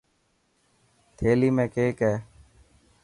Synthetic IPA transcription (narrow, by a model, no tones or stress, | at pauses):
t̪ʰeːliːmẽːkeːkɛː